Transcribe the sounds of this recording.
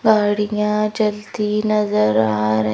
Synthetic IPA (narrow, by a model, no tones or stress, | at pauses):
ɡaːɽijãd͡ʒɐld̪inɐzəɾaːɾə